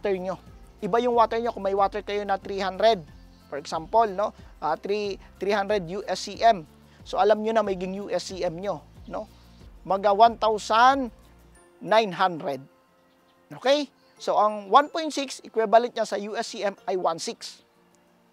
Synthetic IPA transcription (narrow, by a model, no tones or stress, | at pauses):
t̪ɛɹɲo̞ʔɪbajʊŋwaːt̪ɛɹɲo̞kʊŋmɐjwat̪ɛɹkɐjo̞nɐt̪ɾihand̪ɾɛd̪̚ | pɔɹɛksampolno̞ʔat̪ɾit̪ɾiːhand̪ɾɛd̪̚juʔɛsiʔɛm | soʔɐlamɲonɐmɛɡɪŋjuʔɛsiʔɛmɲo̞no̞ | mɐɡawant̪awsanː | ajnɦand̪ɾɛd̪̚ | ʔokɛj | so̞ʔɐŋwanpojnt̪siksɪkwɛbɐlɛnt̪̚ɲasɐjuʔɛsiʔɛmʔɐjwansiks